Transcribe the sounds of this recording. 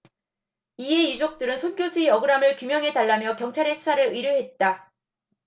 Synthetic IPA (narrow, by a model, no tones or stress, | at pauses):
ie̞id͡ʑok̚t͈ɯɾɯnsʰonɡjosʰuijʌɡɯɾamɯɭkumjʌŋɦe̞taɭːamjʌkjʌŋt͡ɕʰaɾe̞sʰu̥sʰaɾɯɾɯɾjoɦe̞t̚t͈a